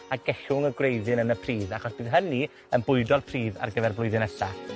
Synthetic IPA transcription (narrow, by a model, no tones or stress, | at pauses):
aɡɛɬʊŋəɡrejðɨnənəpʰriːðaχɔsb̥ɨːðɦəni | ənbʊɨdɔlpʰriːða̰rɡəvɛrblˠʊɨðɨnɛɬa